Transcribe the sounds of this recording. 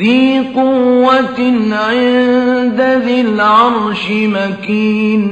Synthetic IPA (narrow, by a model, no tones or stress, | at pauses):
iːqʊwːat̪ɪnʕɪnd̪aðɪlʕɑɾˤʃɪmakiːn